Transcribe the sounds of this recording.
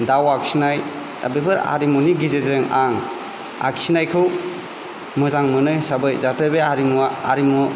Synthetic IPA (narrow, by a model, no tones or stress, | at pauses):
dawaksinaj | ta̰bebʰɯɾa̰ɾimuniɡizezɯŋaŋ | a̰ksinajkʰɯw | mɯzaŋmɯnɯjsabɯjzatʰɯbeaɾimua̰ɾimu